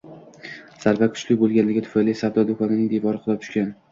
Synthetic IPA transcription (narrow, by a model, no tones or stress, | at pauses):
saɾvakʰʊ̥t͡ʃlɪk̚ʲbolˠɡʲanlɪɡʲɪt̪ʰʊ̥fajlisabd̪ɒd̪okʰɒnɪnɪŋd̪evɒɾɪqʰʊlˠɒp̚t̪ʰʊ̥ʃkʲan